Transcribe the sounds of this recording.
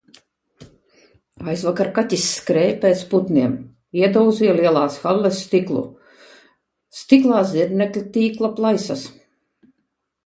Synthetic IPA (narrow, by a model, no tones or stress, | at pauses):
ajzvakaɾkat̪ʲisːkɾɛːpeːt̪sput̪niɛm | iɛd̪ɔwziɛliɛlˠaːsxalːɛsːt̪iklˠṵ | st̪iklˠɑːziɾnɛklʲit̪ʲiːklˠaplˠajsas